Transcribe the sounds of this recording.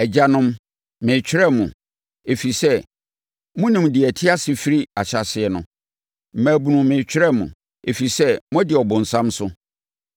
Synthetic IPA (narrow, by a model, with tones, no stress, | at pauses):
ɛ˨d͡ʑa˦nʊ̃˦m | mɪ̃˨t͡ɕʰᶣɪ˦ɾɛ˦mũ˨ | e˨fi˨sɛ˦ | mʊ̃˦nɪ̃˨mdɪ˨ɛ˨tʰɪ˦a˦sɪ˨fi˦ɾi˦a˨ɕa˨sɪ˨ɛ˨nʊ̃˦ | m̩˨mæ̃˨bu˨nũ˨mɪ̃˨t͡ɕᶣʰɪ˦ɛ˦mʊ̰̃˨ | e˨fi˨sɛ˦mʊ̃˦dɪ˨ɔ˨bʊ̃˨n̩˨sã˦msʊ˦